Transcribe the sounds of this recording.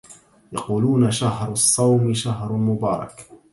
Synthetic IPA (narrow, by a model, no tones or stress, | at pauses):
jɑquːluːnaʃaɦɾˤɑsˤːɑwmɪʃaɦɾˤalmʊbɑːɾˤɑ̰k